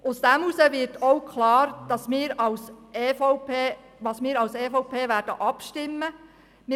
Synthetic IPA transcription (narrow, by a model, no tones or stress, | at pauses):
ʔʊsd̥æmusəʋɪɾtɔwkʰχlɑːɾd̥ɑsmɪːɾɑwseːfɔʊpeː | ʋɑsmɪːɾɑwseːfɔʊpʰeːʋæːɾd̥ə̰ʔɑpʃtɪmːə | mɪ